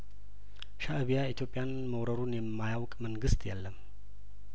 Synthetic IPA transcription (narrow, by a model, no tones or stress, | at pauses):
ʃaʔɨβijait̪ʰjo̞pʼːjan | məwɾəɾunjɛmːajawkʼməŋɡɨst̪jɛlːəmː